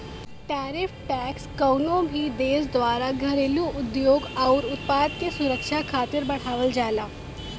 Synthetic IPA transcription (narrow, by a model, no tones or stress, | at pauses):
ʈɛːɾɪfʈɛːkskɐʊnõbʱid̪eːsd̪ʋaːɾaɡʱɐɾeːluʊd̪joːɡɔːɾʊt̪̚paːd̪kesʊɾəkʃakʰaːt̪ɪɾbɐɽ̤aːʋəld͡ʒaːlaː